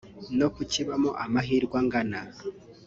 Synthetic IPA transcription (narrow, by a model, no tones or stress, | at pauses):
no̞kuciβamo̰ʔamaɦiːɾɡwaŋɡana